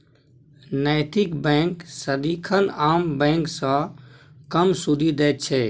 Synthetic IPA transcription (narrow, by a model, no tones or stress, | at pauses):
najt̪ikbɛ̃ŋksəd̪ikʰənaːmbɛ̃ːŋksə̃ | kəmsud̪ʱid̪ɛːt̪̚t͡ʃʰɛ